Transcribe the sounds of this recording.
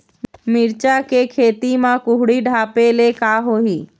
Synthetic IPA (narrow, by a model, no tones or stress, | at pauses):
mɪɾt͡ʃakekʰeːt̪imãkʊɦɽiɖʱaːpelekaɦoːiː